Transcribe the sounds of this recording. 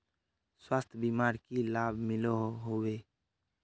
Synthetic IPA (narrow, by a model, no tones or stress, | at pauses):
swast̪ʰbimaɾkilabʱmɪloɦɦowe